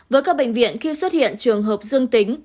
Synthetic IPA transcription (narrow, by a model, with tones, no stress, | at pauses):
vəː˨˦jkaː˦˥k̚ɓa̰˧˩ŋ̟vḭ˧˨ənxi˧swə˦˥t̚hḭ˧˨ənt͡ɕɨ˨˩əŋɦəː˨˩p̚zɨ˧əŋt̪i˨˦ŋ̟